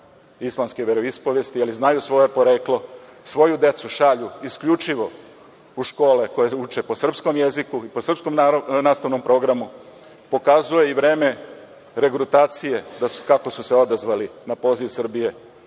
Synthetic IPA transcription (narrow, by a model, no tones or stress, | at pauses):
islˠamskeʋeɾoispoʋjest̪ializnajusʋo̞je̞po̞ɾe̞ːklo̞sʋo̞jud̪e̞t̪suʃaʎuiskʎut͡ʃiʋo̞ | uʃko̞ːleko̞jeut͡ʃe̞po̞sr̩psko̞mje̞zikuipo̞sr̩psko̞mnaːst̪aʋnompɾo̞ɡɾamu | po̞kazuje̞iʋɾe̞ːme̞ | ɾe̞ɡɾut̪aːt̪sije̞d̪asu̥kako̞suseo̞d̪azʋalinapo̞ːziʋsr̩bije̞